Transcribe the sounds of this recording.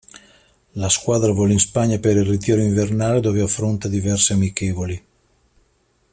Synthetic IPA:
laskwaːd̪ɾavɔlinspaɲːapeɾilrːit̪̬iːɾoiɱvernaːled̪oveafːɾont̪ad̪ivɛrseamikeːvoli

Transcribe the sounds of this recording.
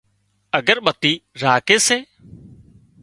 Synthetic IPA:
əɡəɾɓət̪iːɾaːkeːseː

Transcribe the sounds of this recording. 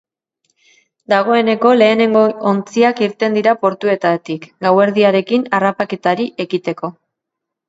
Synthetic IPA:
d̪aɣ̞o̞e̞ne̞ko̞le̞ːne̞ŋɡoont͡siakiɾt̪e̞nd̪iɾapo̞ɾt̪ue̞t̪at̪ikɡawe̞ɾðiaɾe̞kinarapake̞t̪aɾiʔe̞ɣit̪e̞ko̞

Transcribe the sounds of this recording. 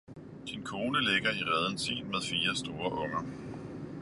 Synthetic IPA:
d̥inkʰo̝ːnəleɡ̥ɐiʁɛð̞ˠən̩sḭːnmeðˠfiːɐsd̥o̝ːɐʔɔ̽ŋɐ

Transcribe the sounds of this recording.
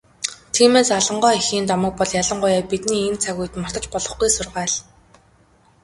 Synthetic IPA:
t̪ʰiːmeːsaɮə̆ɴɢœːixiːnt̪ɔmə̆k̚pɔɮjaɮə̆ɴɢʊjaːpit̪niːent͡sʰaɣuj̆t̪mɔr̥t̪ə̆t͡ɕpɔɮɞ̆χɡujsʊrʁaːɮ

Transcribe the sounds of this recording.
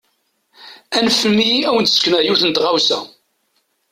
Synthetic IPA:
ænfəmːiæwənt̪sknæjuθənt̪ʁawsæ̰

